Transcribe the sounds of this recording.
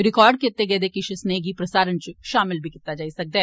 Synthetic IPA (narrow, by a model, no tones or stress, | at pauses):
ɾɪkɔːɾɖ̚kɪt̪ːeɡɛːd̪eːkɪʃɪsneːɡipɾɐsaːɾənt͡ʃʃaːmɪlbʱikit̪ːad͡ʒaːisɐk̚d̪ɛː